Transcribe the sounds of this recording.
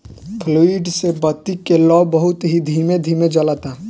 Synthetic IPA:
pʰloːiɖsebɐt̪ikelɔːbəɦʊt̪ɦid̪ʱiːmed̪ʱiːmed͡ʒɐlat̪aː

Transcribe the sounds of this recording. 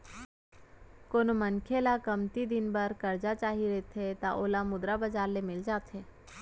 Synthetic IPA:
koːnomənkʰelakɐmt̪id̪ɪnbəɾkɐɾd͡ʒat͡ʃaːɦiɾet̪ʰet̪aʔoːlamʊd̪ɾabɐd͡ʒaːɾlemɪld͡ʒaːt̪ʰɦeː

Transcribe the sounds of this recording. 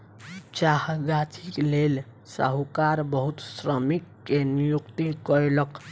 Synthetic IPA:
t͡ʃaɦɡat͡ʃʰiklel | sə̰ɦukaɾbəɦut̪sɾəmikːenijukt̪ikəɾelək

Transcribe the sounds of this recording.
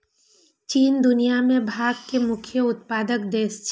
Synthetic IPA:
t͡ʃiːnd̪ʊnijamẽbʱaːɡkemʊkʰjəʊt̪paːd̪əkd̪eːst͡ʃ

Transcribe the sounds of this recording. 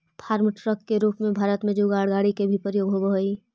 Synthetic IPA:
pʰaːɾmʈɾəkːeɾuːpmẽbʱaːɾət̪mẽd͡ʒuːɡaːɽɡaːɽikebʱipəɾjoːɡɦobəɦoiː

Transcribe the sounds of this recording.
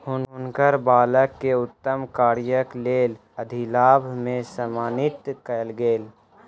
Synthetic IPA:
ɦʊnɦʊnkəɾbaːləkːeʊt̪ːəmkaːɾjəkleːl | əd̪ʱilaːbʱmẽsəmaːnɪt̪kəlɡeːl

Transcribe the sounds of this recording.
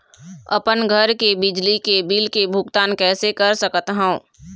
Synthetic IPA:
ə̰pənɡʱəɾkebɪd͡ʒlikebilkebʱʊɡt̪aːnkɛːsekəɾsəkət̪ɦã

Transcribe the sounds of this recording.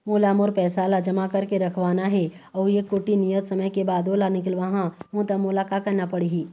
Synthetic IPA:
moːlaːmoɾpɛːsaːlad͡ʒɐmakɐɾkeɾɐkʰʋaːnaɦɛ | ɔːɾjekoːʈinijət̪sɐməjkebaːd̪oːlanɪk̬lʋɐɦãɦõt̪ɐmʊlakakɐɾnapɐɽiɦiː

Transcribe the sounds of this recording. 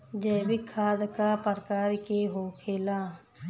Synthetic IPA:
d͡ʒɛːbikʰːaːd̪kapəɾkaːɾkeɦoːkʰeːlaː

